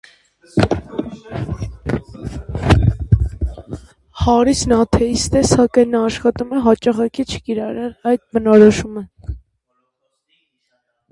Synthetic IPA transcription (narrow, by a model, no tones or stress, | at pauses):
hɑɾisnɑt̪ʰɛist̪ɛsɑkɑjnːɑːʃχɑt̪umɛɦɑt͡ʃɑχɑkit͡ʃʰə̥kiɾɑɾɛlɑjd̪̚bənɔɾɔʃumə